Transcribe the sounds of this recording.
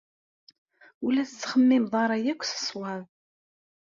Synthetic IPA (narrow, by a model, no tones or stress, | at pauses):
ulæθət͡sːχəmːɪmðˤɑɾˤɑjækʷːθə̥sˤwɑð